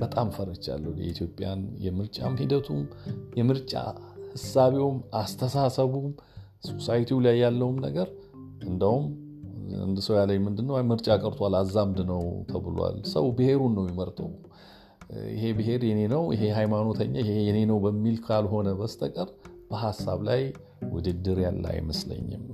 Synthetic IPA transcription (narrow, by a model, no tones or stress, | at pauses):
b̥ət̪ʼamfəɾət͡ʃːa̰lːəhjɛ̰it̪ʰjo̞pʼja̰njɛ̰mɨɾt͡ʃʼamhid̪ət̪ʰumjɛmɨɾt͡ʃʼa̰hɨsaβewmast̪ʰəsasəβum | so̞sajt̪ʰiwlajːalːəhumnəɡəɾ | ʔɨnd̪əhum | ɨ̰nd̪ɨsəwjaləjmɨnd̪ɨnːəwmɨɾt͡ʃʼakʼəɾt̪ʰalazːamd̪ɨnəwt̪ʰəβɨloa̰lsə̰wbɨhe̞ɾunːəwjɪməɾt̪ʼəw | ɪ̰ɦe̞bɨhe̞ɾjɛne̞nəwjɪ̰ɦe̞ɦajmano̞t̪ʰəɲːahejɛne̞nəwbəmːilkʰalɦo̞nəbəst̪ʼəkʼəɾb̥əɦasːaβlaj | wʊ̰d̪ɨd̪ːɨɾja̰lːa̰jməslə̰ɲːɪ̰m